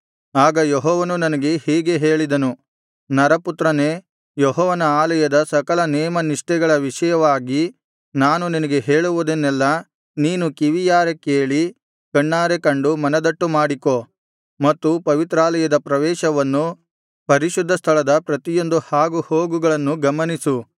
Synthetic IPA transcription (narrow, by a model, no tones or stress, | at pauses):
aːɡɐjɔɦɔːʋɐnunɐnɐɡe̞hiːɡe̞ɦe̞ːɭid̪ɐnu | nɐɾɐput̪ɾɐneː | jɔɦɔːʋɐnɐaːlɐjɐd̪ɐsɐkɐɭɐnɛːmɐniʂʈɛɡɐɭɐʋiʂɐjɐʋaːɡi | naːnuninɐɡe̞ɦeːɭuʋud̪enːɛlːɐ | niːnukiʋijaːɾekeːɭi | kɐɳːaːɾekɐɳɖumɐnɐd̪ɐʈːumaːɽiko | mɐt̪ːupɐʋit̪ɾaːlɐjɐd̪ɐpɾɐʋɛːʃɐʋɐnːu | pɐɾiʃud̪ʱːɐst̪ʰɐɭɐd̪ɐpɾɐt̪ijo̞nd̪uhaːɡuhoːɡuɡɐɭɐnːuɡɐmɐnisu